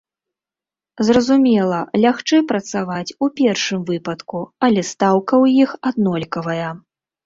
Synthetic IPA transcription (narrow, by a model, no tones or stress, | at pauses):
zrɐzumʲɛlˠɐlʲaxt͡ʂɛpɾɐt̪savat͡sʲupʲɛrʂɨmvɨpɐt̪kuɐlʲɛst̪awkɐwjixad̪nɔlʲkɐvɐjɐ